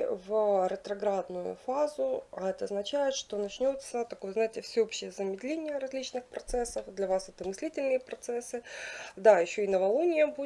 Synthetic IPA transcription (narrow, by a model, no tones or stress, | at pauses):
vɾət̪ɾɐɡɾad̪nʊjʊ̰fazʊɛt̪əɐznɐt͡ɕæjɪt̪ʂt̪o̞nɐt͡ɕnʲo̞t̪sət̪ɐko̞jəzajɪtʲɪfsʲɪopɕːɪjəzəmʲɪd̪lʲenʲɪjəɾɐzʲlʲit͡ɕnɨxpɾɐt̪sɛsːəfd̪lʲɐvasɛt̪əmɨsʲlʲitʲɪlʲnɨjəpɾɐt̪sɛsːɨd̪ajɪɕːoɪnəvɐlˠonʲɪjəmbu